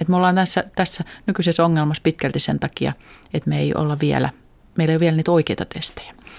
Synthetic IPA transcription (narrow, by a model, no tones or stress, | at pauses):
et̪meolːɑːnt̪æsːæt̪æsːænykysesoŋːelmɑspit̪kælt̪isent̪ɑkiɑ̰et̪meḛiʔo̰lːɑʋiæ̰læ̰ | meilːeˑioʋiælniːt̪oikeit̪ɑt̪est̪e̥jæ̥